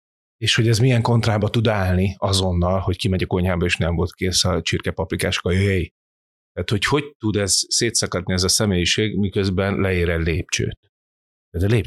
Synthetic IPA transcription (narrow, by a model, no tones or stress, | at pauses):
eːʃho̞ɟɛzmijɛŋko̞nt̪raːbɒt̪ud̪aːlniɒzo̞nːɒlho̞ckimɛɟɒko̞ɲaːbɒeːʃnɛɱvo̞lt̪̚keːsɒt͡ʃirkɛpɒplikaːʃo̥kɒjøjɛji | t̪ːaːt̪ho̞cho̞ct̪ud̪ɛzseːt̪sɒkɒd̪niɛzɒsɛmeːjiʃeːɡmikøzbɛnlɛeːɾɛlleːp̚t͡ʃø̰ːt̪ | t̪ɛːt̪leːp